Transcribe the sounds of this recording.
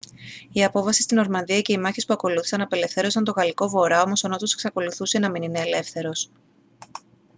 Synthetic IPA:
iɐpo̞fɐsi̥st̪ino̞ɾmɐnðiɐce̞imɐçispuɐko̞luθi̥sɐnɐpe̞le̞fθe̞ɾo̞sɐnt̪o̞ɣɐliko̞vo̞ɾɐo̞mo̞sono̞t̪ose̞̥ksɐko̞luθuse̞nɐminine̞ːle̞fθe̞ɾo̞s

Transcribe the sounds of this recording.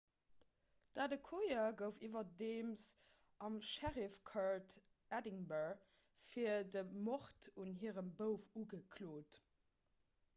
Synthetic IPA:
d̥aːdəkʰojɐɡəʊfivɐdeːms | ʔɑmʃæʁifkʰɑɹt | ædiŋbəɹ | fiːɐdəmoχtunɦiːʁəmbəʊfuɡəkʰloːt

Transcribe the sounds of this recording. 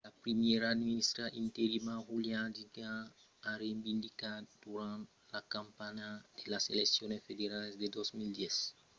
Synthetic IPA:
lapɾimjɛɾad̪iiist̪ɾaʔĩnt̪eɾimaɣuljad͡ʒiɡa | aɾebĩnd̪ikad̪̥uɾãnt̪ | lakãmpaɲad̥̪elaseleksjonesfed̪eɾalesd̪ed̪ozmild̪jɛs

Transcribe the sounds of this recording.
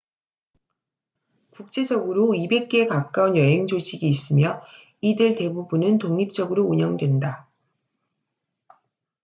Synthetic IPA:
kuk̚t͡ɕ͈e̞d͡ʑʌɡɯɾoibe̞k̚k͈e̞kap̚k͈aunjʌɦe̞ŋd͡ʑoɕʰiɡiːs͈ɯmjʌ | idɯɭte̞bubunɯntoŋɲip̚t͡ɕ͈ʌɡɯɾouɲʌŋdwe̞nda

